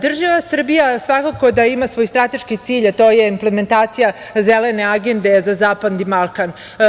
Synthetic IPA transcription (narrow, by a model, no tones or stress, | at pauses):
d̪r̩ʒaʋasr̩bijasʋakako̞d̪aimasʋo̞jst̪ɾat̪e̞ʃkit̪siːʎat̪o̞jeimpleme̞nt̪aːt̪sija | zele̞ne̞aɡe̞nd̪e̞zazaːpad̪nimalˠkan